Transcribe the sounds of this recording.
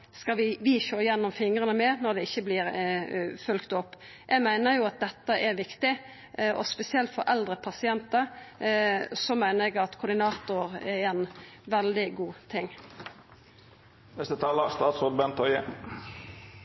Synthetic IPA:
skɑʋɪʋɪçoːjɛnːɔmfɪŋʁənəmɛnɔɾd̪ɛɪçːəblɪːɾ | fʉlkt̪ɔpː | jʔɛɡmæɪnəɾjʊɑt̪̚d̪ɛt̪ːəʔɛʋɪkt̪ɪ | ʔɔspɛsɪɛlt̪fɔɾʔɛld̪ɾəpʰɑsɪɛnt̪əɾ | sɔmæɪnəɾɛɡɑt̪kʰʊɾd̪ɪnɑːt̪ʊɾɛɾɛnʋɛld̪ɪɡuːt̪ʰɪŋː | nɛst̪ət̪ʰɑːləst̪ɑːt̪soːd̪bɛnt̪ʰɔʏə

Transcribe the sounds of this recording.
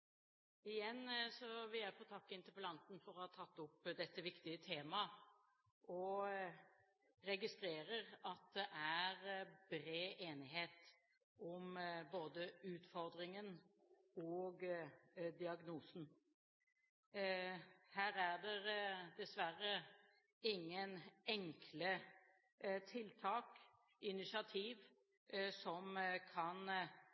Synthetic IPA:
ɪjɛnːsɔʋɪæpʰɔt̪ʰɑːkːɪnt̪əɾpəlɑnt̪n̩fɔɾɔhɑt̪ʰɑt̪ːʊpːd̪ɛt̪ːəʋɪkt̪ɪət̪ʰeːmɑ | ʔɔ | ɾɛɡɪst̪ɾeːɾəʁɑt̪̚d̪ɛʔæɾbɾeːʔeːnɪɦeːt̪ | ɔmboːd̪əʉːt̪fɔɾd̪ɾɪŋən | ɔːɡ | d̪ɪɑɡnuːsn̩ | hæːɾæʁd̪ɛd̪ɛsʋæɾːə | ɪŋːənɛŋkʰlə | t̪ʰɪlt̪ʰɑːk | ɪnɪsɪɑt̪ʰiːʋ | sɔmkʰɑn

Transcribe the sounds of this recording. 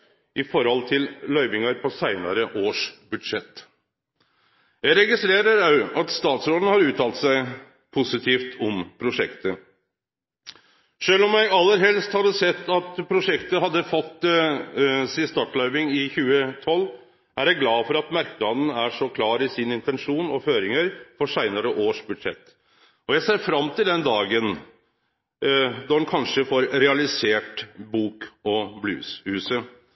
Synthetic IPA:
ʔɪfɔɾhɔlt̪ʰɪllœʏʋɪŋɑɾpʰɔsæɪnɑ̰ɾəʔoːʂbʉd̪ʂɛt̪ː | jæɪɾɛɡɪst̪ɾeːɾəɾɑʉɑt̪st̪ɑːt̪sɾoːd̪n̩hɑɾʉːt̪ʰɑːlt̪sæɪ | pʰʊsɪt̪ʰiːft̪ʰɔmpʰɾʊʂɛ̰kt̪ə | ʂøːlɔmjæɪɑlːəɾɦɛlst̪hɑd̪ːəsɛt̪ːɑt̪pʰɾʊʂɛkt̪əɦɑd̪ːəfɔt̪ː | siːəst̪ɑːʈɭœʏʋɪŋɪçʉːət̪ʰɔlː | ʔæɾjæɪɡlɑːfɔɾɑt̪mæɾknɑd̪ən̩æʂɔkʰlɑːɾɪsɪnəɪnt̪ɛnʂuːnɔføːɾɪŋəɾfɔʂæɪnəɾəʔoːʂbʉd̪ʂɛ̰t̪ː | ɔjæɪseːɾfɾɑmːt̪ʰɪld̪ɛnd̪ɑːɡən | d̪ɑhɛnkʰɑnʂəfɔːɾɾɛɑlɪseːʈbuːkɔblʉ̰shʉːsə

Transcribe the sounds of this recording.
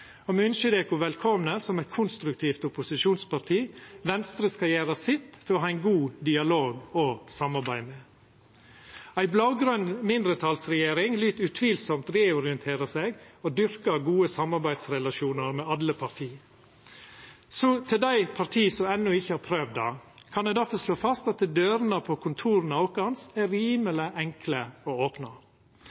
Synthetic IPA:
ɔmʉnʃɪd̪eːkʊʋɛlkʰɔmnəsɔmɛt̪̚kʰʊnst̪ɾʉkt̪ʰiːft̪ʊpʊsɪʃuːnspɑɾt̪ʰiːʋɛnst̪ɾəskɑjæːɾəsɪt̪føːhɑæɪnɡuːd̪ɪɑloːɡɔsɑmːɑɾbæɪme | æɪblɑʊɡɾœnmɪnd̪ɾət̪ʰɑlsɾɛjeːɾɪŋlyːt̪ʉt̪ʰʋiːlsɔmt̪ɾeːɔɾɪənt̪ʰeːɾəseːɡod̪ʏɾkəɡuːəsɑmːɑɾbæɪd̪sɾɛlɑʃuːnəɾmɛːɑlːəpʰɑɾt̪ʰiː | sɔt̪ʰɪld̪æɪpʰɑɾt̪ʰiːsɔmɛnːʊɪçːəhɑɾpʰɾøːʋd̪ɑkʰɑnd̪ɛɪd̪æfɔɾʂloːfɑst̪ɑt̪̚d̪ɛd̪øːɾnəpʰoːkʰʊnt̪ʰuːɾnɑʊkːɑnsæɾiːmələʔɛŋkʰləoːoːpnɑ

